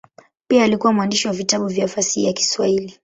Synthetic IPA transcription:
piaːlikuwamuwandiʃiwavitaɓuvjafasihḭjaki̥swahili

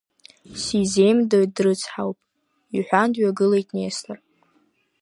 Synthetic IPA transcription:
size̞jmdoɥ̚drɨt͡sʰħawpʼ | iħʷᶣandɥaɡɨlejtʼnestʰar

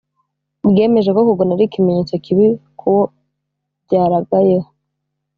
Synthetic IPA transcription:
bɡe̞ːme̞ʒe̞ko̞kuɡonaɾikimeɲeːt͡sokiβikʰuwo | bɟaːɾaɡaje

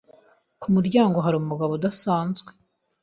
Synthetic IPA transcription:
kumuɾɟaːŋɡo̞ɦaɾomumuɡaβodasaːnzɡwe

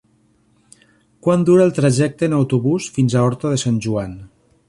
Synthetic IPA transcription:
kwand̪uɾaːlˠt̪ɾaʒɛk̚t̪eːnawt̪uβusfinzaɔɾt̪oðesanʲʒuan

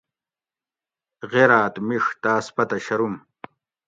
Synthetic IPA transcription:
ɣeɾaːt̪miʂt̪aːspɐt̪ɐɕɐɾum

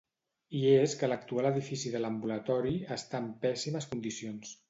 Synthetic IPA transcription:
ieskələk̚t̪ualəðifisiðələmbulət̪ɔɾiəst̪aːmpɛsiməskund̪isions

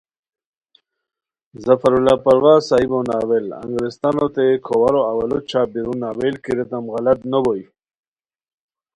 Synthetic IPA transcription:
zafaɾulapaɾwaːsaibawnaːwela̰ŋɡɾɪst̪anot̪ekʰowaɾoawalot͡ʃabiɾunaːwelkiɾet̪amɣalat̪nəboji

